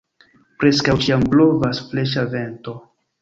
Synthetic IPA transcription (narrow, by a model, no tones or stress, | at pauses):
pɾe̞skawt͡ʃiamblo̞vasfle̞ʃave̞nto̞